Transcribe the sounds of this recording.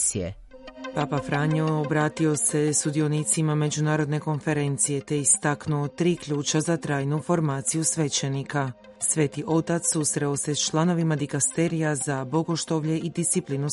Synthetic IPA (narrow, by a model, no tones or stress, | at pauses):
siḛ | paːpafɾaːɲoobɾaːt̪io̞se̞sud̪io̞niːt̪simame̞d͡ʒunaːɾo̞d̪ne̞ko̞nfe̞ɾe̞nt̪sije̞t̪e̞ist̪aknuot̪ɾiːkʎuːt͡ʃazat̪ɾaːjnufo̞ɾmaːt̪sijusʋe̞t͡ɕe̞nika | sʋe̞ːt̪iʔo̞t̪at̪susɾe̞oset͡ʃlˠano̞ʋimad̪ikast̪e̞ɾijazabo̞ɡo̞ʃt̪o̞ʋʎe̞ʔid̪ist̪sipliːnu